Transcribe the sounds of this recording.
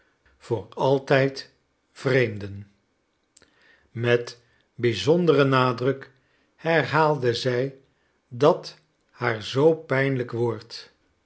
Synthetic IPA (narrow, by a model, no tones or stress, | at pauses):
v̥ʊːɹɑlˠtɛjt | v̥rejmdən | mɛt | bizɔndərənaːdrɵk | hɛɹɦaːlˠdəzɛj | dɑt | haːɹzowpɛjnləkʋɔɹt